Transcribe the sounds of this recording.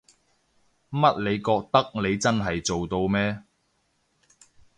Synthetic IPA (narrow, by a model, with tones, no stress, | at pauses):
mɐ˥t̚le˨˧jkɔː˧k̚t̪ɐ˥k̚ne˨˧jt͡sɐ˥nɦɐ˨jt͡so˨wt̪o˧wmɛː˥